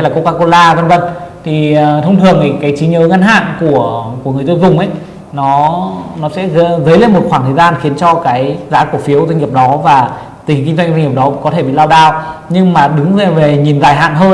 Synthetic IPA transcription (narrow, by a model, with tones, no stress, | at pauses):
ɛ˧laː˨˩ko˧kaː˧ko˧laː˧və˧nvə˧˩nt̪ʰi˨˩t̪ʰə˧wŋ͡mt̪ʰɨ˨˩əŋʔi˨˩kaː˨˦jt͡ɕi˨˦ɲəː˨˦ŋa˧nɦa̰ː˧˨nku˧˩əku˧˩əŋɨ˨˩əjzəː˧nzʊ˨˩ŋ͡mʔə˨˦j | nɔ˨˦nɔ˨˦sɛ̰˧˥ɣə˨˦zə˨˦jle˧nmo˨˩t̚xwaː˧˩t̪ʰəː˨˩jzaː˧nxi˨˦ənt͡ɕɔ˧kaː˨˦jzaː˨˦˥ku˧˩əfi˨˦əwza˧ŋ̟ŋi˨˩əp̚ɗɔ˨˦vaː˨˩ | t̪i˨˩˨ki˧ŋ̟za˧ŋzwa˧ŋi˨˩p̚ɗɔ˨˦kɔ˨˦t̪ʰe˧˩ɓḭ˧˨laː˧wɗaː˧wɲɨ˧ŋmaː˨˩ɗɨ˨˦ŋzve˨˩ɲi˨˩nzaː˨˧˩jɦa̰ː˧˨nɦəː˧